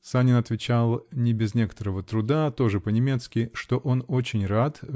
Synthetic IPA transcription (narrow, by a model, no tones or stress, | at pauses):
sanʲɪnɐt̪vʲɪt͡ɕalˠnʲɪbʲɪznʲe̞kə̥t̪əɾəvət̪ɾʊd̪at̪o̞ʐɨpənʲɪmʲe̞t̪skʲɪʂt̪o̞ʔo̞no̞t͡ɕɪnʲrat̪